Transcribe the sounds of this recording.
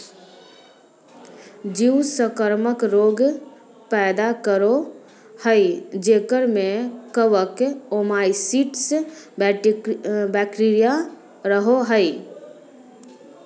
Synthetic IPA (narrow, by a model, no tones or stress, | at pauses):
d͡ʒiwsəkəɾməkɾoːɡ | pɛːd̪akəɾo | həid͡ʒeːkəɾmẽkəʋəkoːmaːisiːʈsb | bɛːkʈiːɾija | ɾəɦoɦəi